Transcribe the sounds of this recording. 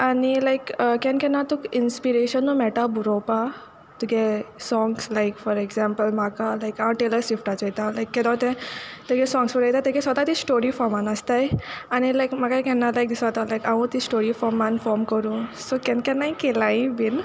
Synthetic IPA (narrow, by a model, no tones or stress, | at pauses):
anilajkəkɛ̃nkɛ̃nat̪ukinspiɾeɕənːomɛʈabuɾopa | t̪ukɛsɔ̃ŋɡslaɪkfɔɾɛɡzɛ̃mpəlmakalajkãʈeləɾsifʈat͡sejt̪alajkːɛ̃d̪ãt̪ɛ̃t̪eɡɛsɔ̃ŋɡsfɔɾejt̪at̪ɛɡɛ̃sʋət̪at̪isʈoɾifɔɾmanast̪ajañilajkmakajkɛ̃nːalajk̚d̪isat̪alajkaʋũt̪isʈoɾifɔɾmanfɔɾmkəɾũsokɛ̃nkɛ̃nːaikelaĩbin